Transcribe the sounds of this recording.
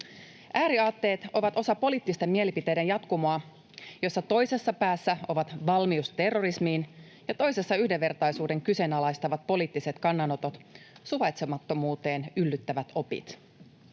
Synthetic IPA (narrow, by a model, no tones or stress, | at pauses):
ʔæːɾiɑːt̪ːe̞ːt̪o̞ʋɑt̪o̞sɑpo̞liːt̪ːist̪e̞mːmie̞lipit̪e̞jde̞njɑt̪kumoɑ | jo̞sːɑt̪o̞jse̞sːɑpæːsːæo̞ʋɑt̪ʋɑlmiust̪e̞rːo̞ɾismiːn | jɑt̪o̞jse̞sːɑyhde̞ʋːe̞rt̪ɑjsuːde̞ŋkyse̞nɑlɑjst̪ɑʋɑt̪̚po̞liːt̪ːise̞t̪kɑnːɑno̞t̪o̞t̪suʋɑjt̪semɑt̪ːo̞muːt̪e̞ːnylːyt̪ːæʋæt̪o̞pḭt̪